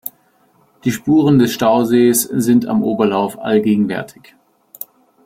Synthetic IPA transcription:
d̥iːʃpuːʁəndɛsʃtaʊzeːsz̥ɪnta̰mʔoːbɐlaʊfʔa̰lɡeːɡŋ̩vɛ̰ɐtʰɪ̥ç

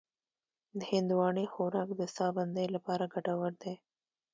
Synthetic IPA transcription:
d̪əhɪnd̪uwɑːɳexoɾɑkd̪əst̪ɑːband̪əjlapɑɾaɡaʈawəɾd̪e

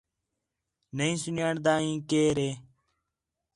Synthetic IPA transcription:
nəĩːsʊnjãːɳd̪aːĩːkeːɾeː

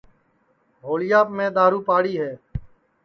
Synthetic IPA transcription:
ɦoːlɪjaːpmẽːɗ̪aːɾuːpaːɽiːɦɛː

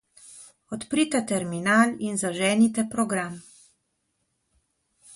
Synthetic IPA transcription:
ɔt̪pɾit̪ɛt̪ɛɾminaːlinzaʒɛːnit̪ɛpɾɔɡɾam

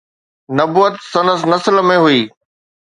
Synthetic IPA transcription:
nɐbuːət̪sɐ̃nəsnɐsəlmẽɦuiː

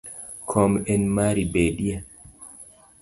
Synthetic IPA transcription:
kʰɔmɛnmaɾibeːɗija

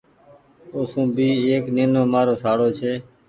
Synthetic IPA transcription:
oːsũːbʱiːeːkneːnoːmaːɾoːsaːɽoːt͡ʃʰeː

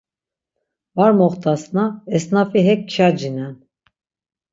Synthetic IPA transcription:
vaɾmɔχt̪ʰasnaɛsnafiɦɛk̚t͡ʃʰad͡ʒinɛn

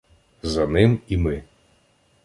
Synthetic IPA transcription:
zɐnɪmimɪ

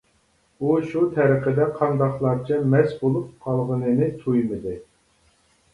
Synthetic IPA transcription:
uʃut̪ʰɛɾəqəd̪ɛqʰɑnd̪ɑχlˠɑɾt͡ʃʰɛmɛsbolˠup̚qʰɑlˠʁənɨnɨt̪ʰujmɨd̪ɨ

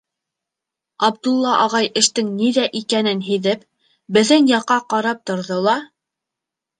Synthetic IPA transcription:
ɑb̚d̪ulˠːɑʔɑʁɑjɘ̆ʃt̪ɘŋniðæʔikænɘnɦiðɘp̚ | bɘ̆ðɘŋjɑqːɑqɑɾɑp̚t̪ŏɾðolˠɑ

